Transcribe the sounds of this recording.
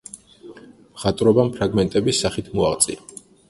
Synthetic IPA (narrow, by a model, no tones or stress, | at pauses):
mχat̪ʼɾɔbampʰɾaɡmɛnt̪ʼɛbisːaχit̪ʰmuaʁt̪sʼḭa